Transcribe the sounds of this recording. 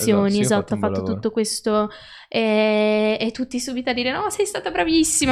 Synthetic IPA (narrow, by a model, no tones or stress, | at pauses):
joːniezat̪ːoafːat̪ːot̪ut̪ːokwest̪o | e | et̪ːut̪ːisuːbit̪ad̪ːiːɾenɔsɛjst̪aːt̪abɾavisːim